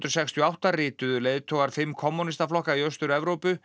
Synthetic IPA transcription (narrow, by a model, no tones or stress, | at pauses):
t̪ɾɔsɛkst̪ʰjɔawht̪arɪːt̪ʏðʏleːjðt̪ʰoːɣaɾ̥fɪmːkʰɔmːunist̪aflɔhkaiœst̪ʏɾɛvɾowpʏ